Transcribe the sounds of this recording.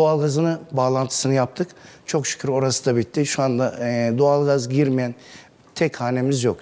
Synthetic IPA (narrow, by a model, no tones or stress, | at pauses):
d̪oalˠɡazɯnɯbaːlˠant̪ʰɯ̥sɯnɯjap̚t̪ʰɯkt͡ʃʰo̞kʃɯ̥kʰɯɾo̞ɾasɯd̪abit̪ːiʃuand̪ad̪oalˠɡazɟiɾmijæn | t̪ʰɛkhaːne̞mizjok